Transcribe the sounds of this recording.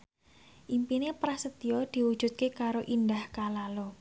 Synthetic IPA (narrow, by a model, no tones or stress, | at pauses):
ʔimpinepɾasət̪ijɔd̪̥i̤wud̥ʒ̥ṳt̪̚kekaɾoʔindahkalalo